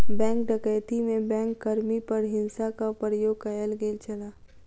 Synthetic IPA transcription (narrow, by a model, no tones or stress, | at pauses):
bɛ̃ːŋk̚ɖəkəjt̪imẽbɛ̃ːŋkːɐɾmipəɾɦɪ̃nsakapɾəjoːɡkəjəlɡeːlt͡ʃɐlaː